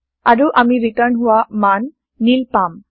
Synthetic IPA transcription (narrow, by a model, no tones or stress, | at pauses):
aɹuʔamiɾiʈəɾnɦʊwamanː | ilpam